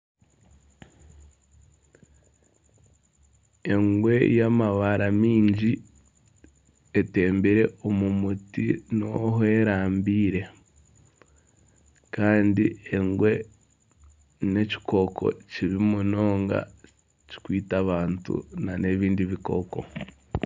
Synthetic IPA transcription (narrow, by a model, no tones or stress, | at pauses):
e̞ŋɡwe̞jamaβaɾamiːɲɟi | ete̞ːmbiɾe̞omumutḭno̞he̞ːɾaːmbiːɾe̞ | kaːndieŋɡwe̞ | ne̞ci̥ko̞kʰo̞̰ciβimuno̞ːŋɡa̰ | ci̥kwiːtaβaːntṵnane̞βiːndiβiko̞ko̞̰